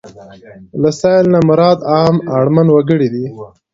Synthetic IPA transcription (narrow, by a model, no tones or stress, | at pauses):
lasɑjlnamʊɾɑd̪ɑːmaɽmanwaɡəɽid̪i